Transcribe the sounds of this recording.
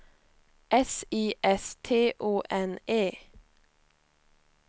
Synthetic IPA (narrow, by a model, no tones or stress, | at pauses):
ʔɛsiːʔɛst̪ʰeːʔoːʔɛneː